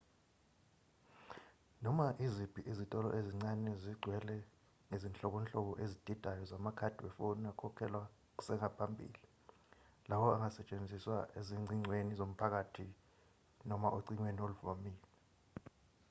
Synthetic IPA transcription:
nɔmaʔizib̥ʱiʔizitʼɔlɔ̰ʔeziŋ͡ǀanɛziɡ͡ǀʱwɛlɛ | ŋezint͡ɬʼɔk̬ɔnt͡ɬʼɔk̬ɔʔezid̥ʱid̥ʼʱajɔzamakʰad̥ʱiwɛfɔnakʰɔkʰɛlwḁ | sɛŋapʰambʱḭːli | lawɔaŋasɛt͡ʃʼend͡zʱiswaeziŋ͡ǀiŋ͡ǀʱwenizom̩pʰak̬atʰi | nɔmaʔoǀiɲwenioluvamiːlɛ

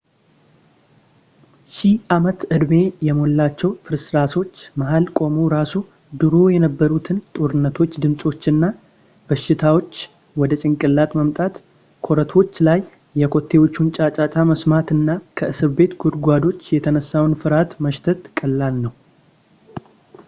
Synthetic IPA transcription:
ʃiʔamət̪ʔɨd̪me̞jɛmo̞lːat͡ʃːɛwfɨɾsɾaso̞t͡ʃːmaɦalkʼo̞muɾasu | d̪ɨɾo̞jɛnəbːəɾut̪ʰɨnt̪ʼoɾɨnːət̪ʰo̞t͡ʃːd̪ɨmsʼo̞t͡ʃːɨnːa | b̥əʃːɪt̪ʰawo̞t͡ʃː | wɔd̪ət͡ʃʼɪŋkʼɨlːat̪məmt̪ʼat̪ | kʰo̞ɾət̪ʰo̞t͡ʃːlajː | ɛkʰo̞t̪ʰːe̞wo̞t͡ʃːunt͡ʃʼat͡ʃʼat͡ʃʼaməsmat̪ɨnːakʰəʔɨsɨɾbe̞t̪ɡʰud̪ɡʷad̪o̞t͡ʃːjɛt̪ʰənəsːawnfɨɾat̪məʃt̪ʰət̪kʼəlːalnəw

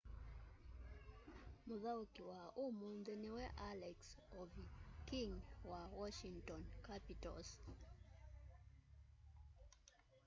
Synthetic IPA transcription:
mʊðakiwaomund̪enɛwɛʔalɛksovikiŋwawɔʃiŋtɔnkapitɔ̰s

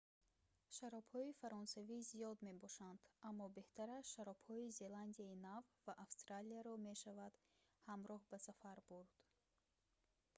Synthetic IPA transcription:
ʃaɾɔbhɔifaɾɔnsaviziɔd̪me̞bɔʃand̪̥amːɔbe̞ht̪ʰaɾaʃaɾɔbhɔize̞land̪iainavvaʔafst̪ɾaliaɾɔme̞ʃavad̪̥ | hamɾɔhbasafaɾbuɾd̪̥

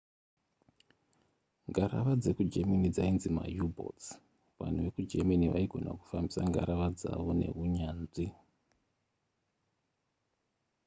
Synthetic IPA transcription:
ŋɡaɾaʋad͡ze̞kud͡ʒemanid͡zainzima̰jubʱo̰ts | ʋa̰n̤uʋe̞kud͡ʒemaniʋaiɡʱo̞naku̥fambisaŋɡaɾaʋad͡za̰ʋo̞ne̞̰ɦuɲaːnzi

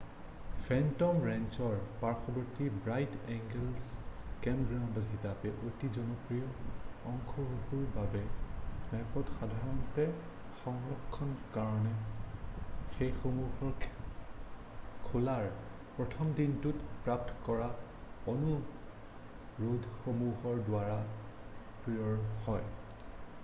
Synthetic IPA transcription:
fʰɛntɔmɹɛnt͡ʃɔɹpaɹxʰɔbɔɹtibɹajtɛŋɡɛlskɛmɡɹawndɔtxitapɛʔotizɔnɔpɹijɔɔŋkʰɔɹuɦuɹbabɛnɛpɔtxadʱaɹɔntɛ | xɔŋɹɔkʰːɔnkaɹɔnɛ | xejxomuɦɔɹ | kʰolaɹ | pɹɔtʰɔmdintutpɹap̚tɔkɔɹa | onu | ɹodʱxomuɦɔɹdwaɹa | pɹijɔɹhɔj

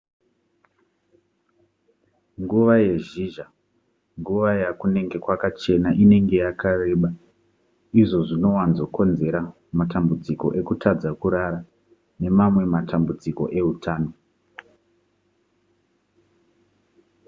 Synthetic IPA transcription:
ŋɡuʋaje̞ʒiːʒa | ŋɡuʋajakune̞ŋɡe̞kwakat͡ʃe̞naʔine̞ŋɡe̞jakare̞ːɓa | iʐo̞ʐino̞wanzo̞ko̞nze̞ɾa | matambud͡ziko̞̰ʔe̞kutʰad͡zakuɾaɾa | ne̞mamwe̞matambud͡ziko̞̰ʔe̞utaːno̞

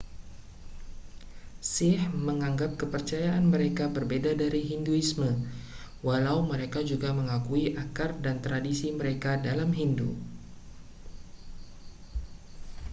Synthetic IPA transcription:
sɪhməŋaŋɡap̚kəpərt͡ʃajaʔanməɾekabərbedadaɾiɦinduismə | walawməɾekad͡ʒuɡaməŋakuiʔakardant̪ɾadisiməɾekadalamɦindṵ

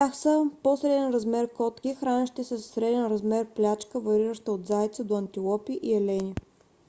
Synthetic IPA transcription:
axsəposɾɛd̪ɛnɾɐzmɛɾkɔt̪kʲixɾanʲɛʃt̪ɛsəsɾɛd̪ɛnɾɐzmɛɾplʲat͡ʃkəvɐɾiɾəʃt̪əod̪zajt̪səd̪oɐnt̪ilˠɔpiʔiɛlɛni

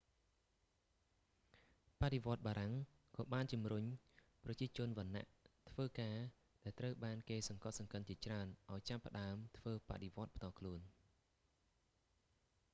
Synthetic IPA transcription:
paʔɗeʋŏət̪̚ɓaːɾaŋ | kɑːɓaːnt͡ɕumruɲ | prɑt͡ɕiət͡ɕʊ̆ənʋɔ̆nːa̰ʔt̪ʰʋəːkaː | ɗaɛlt̪rəwɓaːnkeːsɑŋkɑt̪̚sɑŋkət̪̚t͡ɕiət͡ɕraənʔaɔjt͡ɕapːə̆ɗaəmt̪ʰʋəːpa̰ʔɗeʋŏət̪̚pʰt̪ɑːlkʰluən

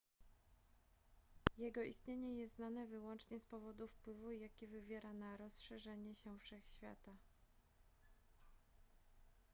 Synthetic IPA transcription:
jɛɡɔist̪ɲeɲɛjɛst̪nanɛvɘwɔnt͡ʂɲɛspɔvɔd̪ufpwɘvujakʲivɘvʲjɛɾʔanaɾɔsʂɛʐɛɲɛɕɛfʂɛxɕfʲja̰t̪a

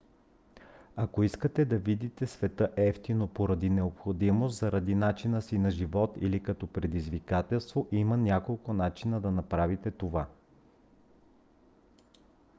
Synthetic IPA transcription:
ɐkoiskət̪ɛd̪ɐvid̪it̪ɛsvɛt̪əʔɛft̪inopoɾɐd̪inɛopxod̪imost̪zɐɾɐd̪inat͡ʃinəsinɐʒivɔt̪ḭlikɐt̪ɔpɾɛd̪izvikat̪ɛlˠst̪voʔimənʲakolˠkʊnat͡ʃinəd̪ɐnɐpɾavit̪ɛt̪ova

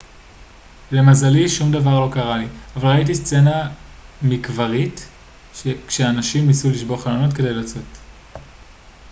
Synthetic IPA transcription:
le̞mazaliʃumd̪avaʁlo̞kaʁaliavalʁait̬ist͡se̞namikvaʁit | ʃekʃeanaʃimnisuliʃbo̞ʁχalono̞tke̞de̞jlat͡so̞t

